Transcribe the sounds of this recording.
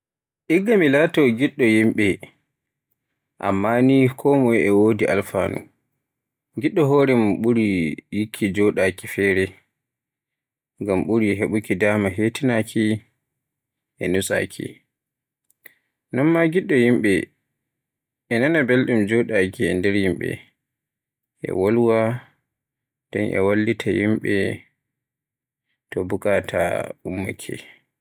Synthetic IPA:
ʔiɡːamilatɔɡiɗːɔjimɓɛ | ʔa̰mːanikʰɔːmɔjɛwoːdiʔa̰lfa̰ːnṵ | ɡiɗːɔɦɔːɾɛmɓuɾijikʰːid͡ʒɔɗakifɛːɾɛ | ŋɡamɓuɾiɦeɓukidamaɦetinakʰi | ʔɛnusa̰kʰḭ | nɔnmaɡiɗɔjimɓɛ | ɛnanabelɗumd͡ʒoɗakiɛndɛɾjimɓɛ̰ | ʔɛ̰walwa | d̥ɛ̰nʔɛ̰walːitʰajimɓɛ̰ | tɔbukatʰa̰umːa̰kʰɛ̰

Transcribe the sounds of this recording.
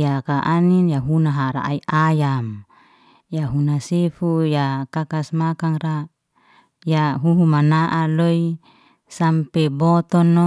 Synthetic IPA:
jakaʔaninjaɦunaɦaɾa̰a̰iʔajam | jaɦunasefujakakasmakaŋra | jaɦuɦumanaʔaloi | sampɛbɔt̪ɔnːɔ

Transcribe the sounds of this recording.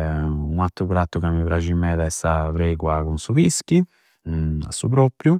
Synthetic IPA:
unat̪ːɾupɾat̪ːukamːipɾat͡ʃimːɛːd̪aɛst̪avɾejkwakunsuvisk̟i | a̰sːupɾɔpɾju

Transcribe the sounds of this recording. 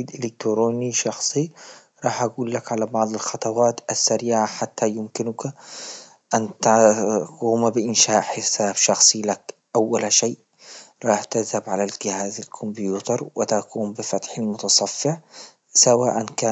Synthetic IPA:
iːd̪ʔɪlɪk̚t̪ɾoːniʃɑxsˤi | ɾˤɑːħʔaɡuːlːakʕalabɑʕðˤɑlxɑt̪ˤɑwɑːt̪ʔasːaɾiːʕaħat̪ʰːajʊmkɪnʊka | ʔant̪akuːmbɪʔɪnʃaːʔħɪsaːbʃɑxsˤilakʔawːalʃeːʔ | ɾˤɑːħt̪ɪzhabʕalalɡɪhaːzalkʰʊmbjuːt̪ɑɾˤwʔɪt̪akuːmbɪfat̪ħalmʊt̪ɑsˤɑfːɪʕ | sawaːʔankaː

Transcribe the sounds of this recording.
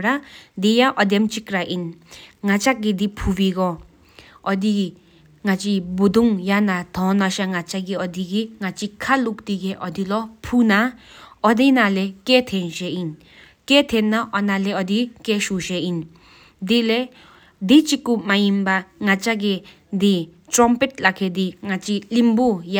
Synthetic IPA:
ɾad̪ijaʔɔd̪emt͡ʃikɾaʔinŋat͡ʃak̚ɡid̪ipʰubiɡɔ | ɔd̪i | ŋat͡ʃibud̪uŋjanat̪ʰɔ̃naʃaŋat͡ʃaɡiɔd̪iɡiŋat͡ʃikʰalukt̪iɡeʔɔd̪ilɔpʰunaɔd̪enaleket̪ʰenʃein | ket̪ʰenːaʔɔnaleɔd̪ikeʃuʃein | d̪ile | d̪it͡ʃikumajimbaŋat͡ʃaɡe | d̪itɾɔmpet̪̚lakʰed̪iŋat͡ʃilimbuja

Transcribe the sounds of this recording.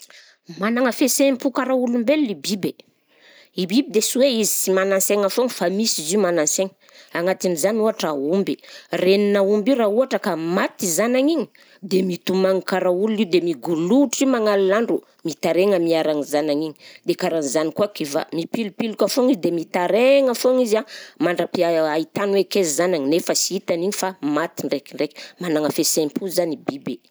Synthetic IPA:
manaŋəfesempukaɾaulumbelːibibe | ibibid̪esiweizisimananseŋafoŋifamisizimananseŋ | aŋat̪inizanuaʈ͡ʂaumbireninaumbiɾauaʈ͡ʂəkamat̪izanaŋiɲi̥ | d̪emit̪umaŋikaɾaululid̪emiɡuluʈ͡ʂimaŋalinaɳɖ͡ʐu | mit̪aɾeŋəmiaɾaŋizanaɲiɲi̥d̪ekaɾanizanikuakiva̰mipilupilukafoŋizd̪emit̪aɾeŋafoŋizamaɳɖ͡ʐapiait̪anwekezizanaɲinefəsiit̪aniɲifamat̪iɳɖ͡ʐekiɳɖ͡ʐeki̥manaŋəfesempuzanibibe

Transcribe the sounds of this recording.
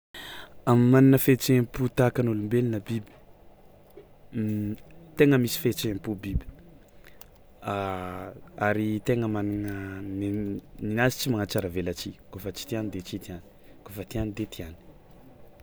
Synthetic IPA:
amimaninəfet͡ʃemput̪akanulumbelinəbibi̥ | t̪eŋəmisi̥fet͡ʃempubibi̥ | a | aɾit̪eŋəmaninənininazi̥t͡ʃimaŋat͡ʃaɾavelat͡ʃikofət͡ʃi̥t̪ianid̪et͡ʃit̪iani̥kofət̪ianid̪et̪iani̥

